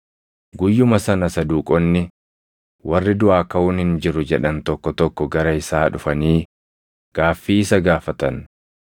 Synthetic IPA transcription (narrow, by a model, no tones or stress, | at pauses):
ɡʊjːʊmɐsɐnɐsɐd̪uːkʼɔnːɪ | wɐrːɪd̪ʊʔaːkɐuːnhɪnd͡ʒɪɾʊd͡ʒɛᶑɐnt̪ɔkːɔt̪ɔkːɔɡɐɾɐɪsaːᶑʊfɐniː | ɡ̥aːfːiːɪsɐɡaːfɐt̪ɐn